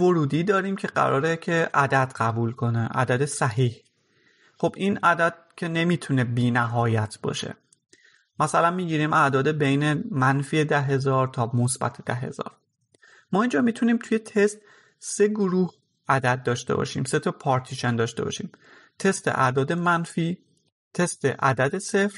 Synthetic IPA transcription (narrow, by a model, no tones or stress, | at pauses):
voɾuːd̪iːd̪ɒːɾiːmcʰe̞ɢæ̰ɾʔɒ̰ːɾecʰe̞ʔæd̪æd̪ɢæbuːlkʰo̞neʔæ̰d̪æd̪esæhiːh | χo̞bʔiːnæd̪æd̪̥̚cʲʰe̞ne̞miːt̪ʰune̞biːnæɦɒːjæt̪ʰbɒ̰ːʃḛ | mæsælænmiːɟiːɾiːmʔæd̪ɒːd̪e̞be̞jnemænfiːed̪æɦe̞zɒːɾt̪ʰɒːmosbæ̰t̪ʰed̪æ̰ɦe̞̰zɒ̰ːɾ | mɒːiːnd͡ʒɒːmiːt̪ʰuniːmt̪ʰuje̞t̪ʰe̞st̪ | se̞ɡoɾuːh | ʔæd̪æd̪̚ːɒːʃt̪e̞̰bɒ̰ʃḭːmse̞t̪ʰɒpʰɒːɾt̪ʰiʃend̪ɒːʃt̪e̞bɒ̰ʃḭːm | t̪ʰe̞st̪ḛʔæ̰d̪ɒːd̪e̞mænfiː | t̪ʰe̞st̪ḛʔæ̰d̪æd̪e̞se̞fɾ